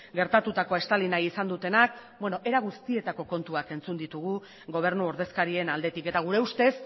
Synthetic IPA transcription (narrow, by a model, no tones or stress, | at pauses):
ɡe̞ɾt̪at̪ut̪ako̞e̞st̪alinajisand̪ut̪e̞nak̚bwe̞no̞ʔe̞ɾaɣ̞ust̪ie̞t̪ako̞ko̞nt̪uake̞nt͡sund̪it̪uɣ̞u | ɣo̞β̞e̞ɾnuo̞ɾð̞e̞skaɾie̞nald̪e̞t̪ike̞t̪aɣ̞uɾe̞ust̪e̞s